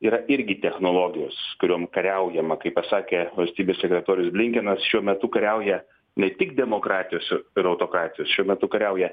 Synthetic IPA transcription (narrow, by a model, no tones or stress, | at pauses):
iːɾɐʔɪɾʲɡʲɪt̪ʲɛxnoːlˠoːɡʲɪjoːskʊɾʲoːmkɐɾʲɛʊjɛmɐkɐɪppɐsɑːkʲeːʋɐlʲsʲt̪ʲiːbʲeːsʲsʲɛkʲɾʲɛt̪oːɾʲɪjʊsblʲɪŋʲkʲɛnɐsʃʲuɔmʲɛt̪ʊkɐɾʲɛʊjɛ | nʲɛt̪ʲɪkd̪ʲɛmoːkɾɑːt̪ʲɪjoːsɪɾɐʊt̪oːkɾɑːt̪ʲɪjoːsʃʲuɔmʲɛt̪ʊkɐɾʲɛʊjɛ